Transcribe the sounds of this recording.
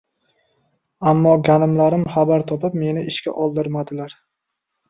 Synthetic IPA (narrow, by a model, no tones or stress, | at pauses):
amːɒɡʲanɪmlaɾɪmχabaɾt̪ʰɒpɪpme̞nɪʔɪʃkʲa̰ʔɒlˠd̪ɪɾmad̪ɪlaɾ